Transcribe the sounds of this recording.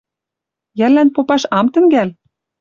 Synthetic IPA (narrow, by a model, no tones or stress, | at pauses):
jærlːænpopɑʃɑmt̪ɘ̆ŋɡæl